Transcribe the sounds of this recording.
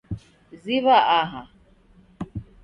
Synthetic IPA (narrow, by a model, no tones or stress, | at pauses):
ziβaʔaɦa